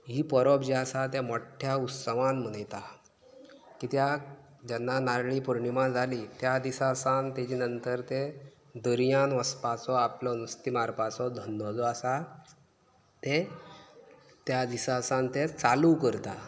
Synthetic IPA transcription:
ɦiːpɔɾɔbd͡ʑeasat̪̬emɔʈʰːjaut̪səʋãnm̤ənəjt̪a | kit̪ja | d͡ʑɛnːanaɾɭiːpuɾɳimad͡zʱalit̪jad̪isasant̪ed͡ʑiːnənt̪əɾt̪e | d̪əɾjanʋəspat͡sɔaplɔnust̪imaɾpat͡sɔd̪ʱənːɔd͡zɔasa | t̪e | t̪jad̪isasãnt̪et͡salukəɾt̪a

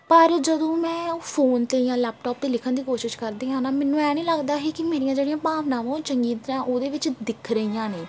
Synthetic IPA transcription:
pəɾd͡ʒəd̪õːmɛ̃ːfʰoːnt̪eːjãːlɛːp̚ʈɔːp̚t̪eːlɪkʰənd̪iːkoːʃɪʃkəɾd̪ĩːɦãːnaːmɛ̃ːnːũːɛːnĩːləɡd̪aːɦiːkɪmeːɾijãːd͡ʒeːɽijãːbʱaːʋnãːʋãːt͡ʃəŋɡiːt̪ɾãːʔoːd̪eːʋɪt͡ʃd̪ɪkʰɾəijãːneː

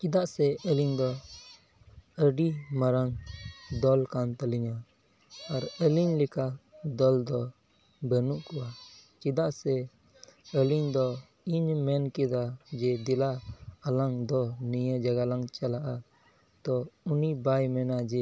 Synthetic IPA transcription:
t͡ʃid̪aʔsɛəliŋd̪ɔ | əɖimaɾaŋd̪ɔlkant̪əliɲaː | ɾəliɲlɛkad̪ɔld̪ɔ | bənuʔkuwat͡ʃid̪aʔsɛ | əliŋd̪ɔ | iɲmɛnkɛd̪ad͡ʒɛd̪ilaalaŋd̪ɔnijəd͡ʒaɡalaŋt͡ʃalaʔa | t̪ɔunibajmɛnad͡ʒɛ

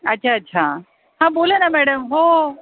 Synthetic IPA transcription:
ɐtːɕʰaɐtːɕʰa | ɦãːɓoːlənamɛːɽəmɦoː

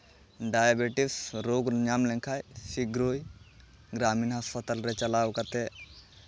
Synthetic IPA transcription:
ɖajabeʈisɾoːɡɲamleŋkʰaːjsiɡɾoːj | ɡɾaːminɦɐspɐt̪ɐlɾet͡ʃɐlaːwkɐt̪e

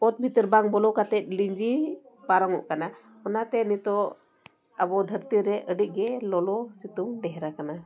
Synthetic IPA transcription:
ɔt̪̚bʱit̪ɾbaŋbɔlɔkat̪ɛt̪̚ˀliɲd͡ʒi | paɾɔŋɔ̰ʔkana | ɔnat̪ɛnit̪ɔ | abɔd̪ʱəɾt̪iɾɛʔəɖic̚ˀɡɛlɔlɔsit̪uŋɖɛɦɾakana

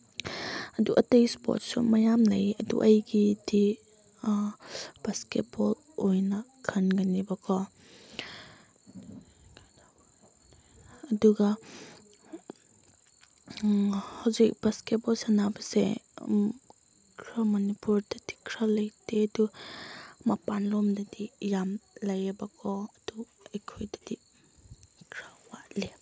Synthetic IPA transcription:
ɐduʔɐtejspo̰t̚sṵmɐjamlɐjɐdṵʔɐjɡidi | b̥asket̚bɔl | ojnɐkʰɐnɡɐnibɐkʰɔ | duɡɐ | hawzik̚b̥asket̚bɔsanabɐsḛ | kʰɾamɐnipuɾdadi̥kʰɾalɐjtedu | mapanlɔmdɐdijamlɐjebakʰɔɐd̥u | ekʰojdadi | kʰɾawaʔle

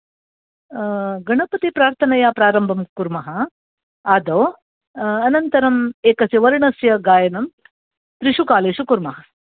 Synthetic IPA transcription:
ɡɐɳɐpɐt̪ipɾaːɾt̪ʰɐnɐjapɾaːɾɐmbʱɐmkuɾmɐɦɐ | aːd̪oː | ɐnɐnt̪ɐɾɐmeːkɐsjɐʋɐɾɳɐsjɐɡaːjɐnɐm | t̪ɾiʂukaːleːʃukuɾmɐɦɐ

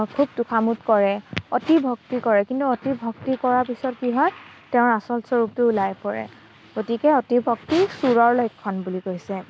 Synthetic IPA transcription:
kʰub̚tukʰamutkɔɹɛɔtibʱɔk̚tikɔɹɛkintuɔtibʱɔk̚tikɔɹaɹpisɔtkiɦɔtɛʊ̃ɹasɔlsɔɹup̚tʊulajpɔɹɛ̰ | ɡ̥otikɛɔtibʱɔk̚tisuɹɔɹlɔjkʰːɔnbulikojsɛ

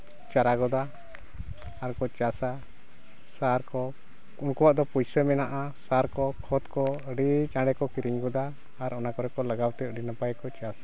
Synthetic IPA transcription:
t͡ʃaɾaɡɔd̪a | ɾkɔt͡ʃasa | saɾkɔ | unkɔwaʔd̪ɔpujsɛmɛnaʔasaɾkɔkʰɔt̪kɔəɖit͡ʃãɽɛkɔkiɾiɲɡɔd̪aː | ɾɔnakɔɾɛkɔlaɡawt̪ɛɖinapajkɔt͡ʃasḁ

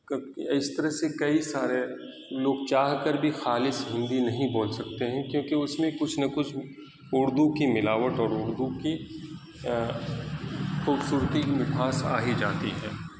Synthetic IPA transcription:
ɪst̪ɐɾəɦsekɐisaːɾe | loːɡ̚t͡ʃaːɦkəɾbʱixaːlɪsɦɪ̃nd̪inɐɦĩbõːlsɐk̚t̪eɦɛ̃kjõːkeʊsmẽkʊt͡ʃʰnɐkʊt͡ʃʰ | ʊɾd̪ukimɪlaːʋət̪ɔːɾʊɾd̪uki | xuːbsuːɾt̪iʋɪpʰaːsa̰ːɦid͡ʒaːt̪iɦɛ̰̃ː

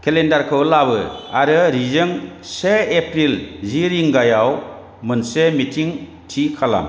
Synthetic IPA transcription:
kʰelendaɾkʰɯwlabɯaɾɯɾizɯŋseepʰɾilziɾiŋɡajaw | mɯnsemitʰiŋ | tʰikʰala̰m

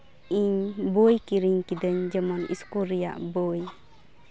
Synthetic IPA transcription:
iɲbojkiɾiŋkid̪əɲd͡ʒəmɔnḭskuɾija̰ʔbɔj

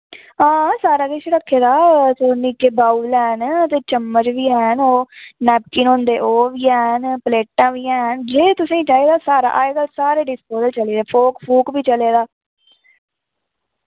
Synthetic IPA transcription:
ãːsaːɾaːɡ̪eʃɾəkʰːeːd̪aːt̪oːnikeːbaːuːlɛːnət̪eːt͡ʃəmːəd͡ʒʋiːɛːnoːnɛːp̚kinɦõːnd̪eːʔoːʋiːɛːnpəleːʈãːʋiːɛːɦənd͡ʒeːt̪ʊsĩːt͡ʃaːiːd̪aːsaːɾa̰ːʔaːjɡəlsaːɾeːɖɪspoːzəlt͡ʃəliːd̪eːpʰoːkpʰuːkbiːt͡ʃəleːd̪aː

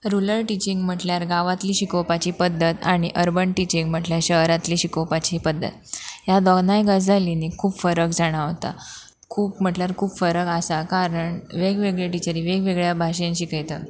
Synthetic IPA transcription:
ɾuləɾʈit͡ɕiŋɡm̤əʈljaɾɡaʋat̪liːɕikowpat͡ɕiːpəd̪ːət̪aɽ̃iʔəɾbəɳʈit͡ɕiŋɡm̤əʈljaɕəɦɾat̪liːɕikowpat͡ɕipəd̪ːə̰t̪̚ɦjad̪ɔɡnajɡəd͡zd͡zʱalinekʰuːbfəɾəkd͡zaɽ̃aɦot̪a̰ | kʰuːpm̤əʈljaɾkʰuːbfəɾəkasakaɾəɳʋeɡʋeɡɭeʈit͡ɕəɾiːʋeɡʋeɡɭjabʱaɕjãnɕikajt̪ə

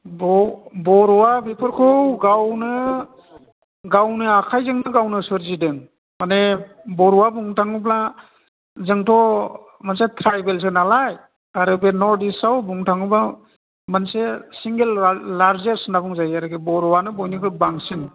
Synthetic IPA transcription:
bɔbɔɾɔwabipʰɯɾkʰɯwɡawnɯ | ɡawnɯakʰajzɯŋnɯɡawnɯsɯɾzidɯŋ | mane | bɔɾuwabuŋtʰaŋɯbla | zɯŋtʰɔ | mansetʰɾajbels̬ɯnalaj | aɾɯbenɔɾdisawbuŋtʰaŋɯba | mansesiŋɡelːaɾzesnabuŋzajaɾɯɡebɔɾɔwanɯbɔjnɯkɯbaŋsɯŋ

